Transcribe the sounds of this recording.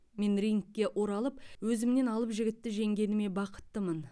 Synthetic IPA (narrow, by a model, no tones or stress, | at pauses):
me̞nriŋkʲːe̞ʔo̞ɾɑlˠəp̚wɵzɪmne̞nɑlˠəpʒɪɡʲɪt̪ːɪʒe̞ŋɡʲe̞nɪme̞bɑqə̥t̪ːəmən